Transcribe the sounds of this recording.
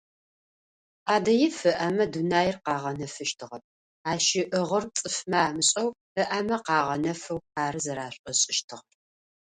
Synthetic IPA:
ʔaːdɐjɪfɨʔɐmɐdunaːjɪrqɑːʁɐnɐfɨʃtʰɨʁɐp̚ | aːʃɪʔəʁɐrt͡sʼɨfmɐaːmɨɕʼɐw | ɨʔɐmɐqɑːʁɐnɐfɐwaːɾɨzɐɾaːɕʷʼɐɕʼɪʃtʰɨʁ

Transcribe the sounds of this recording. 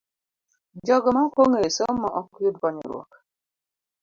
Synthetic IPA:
d͡ʒɔɡɔmakoŋesɔmɔʔɔkjud̚kɔɲḭɾwɔ̰k

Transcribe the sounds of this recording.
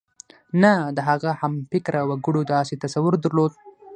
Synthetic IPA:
nad̪əɦaɣahamfɪkɾawaɡəɽod̪ɑset̪asawʊɾd̪əɾlod̪̚

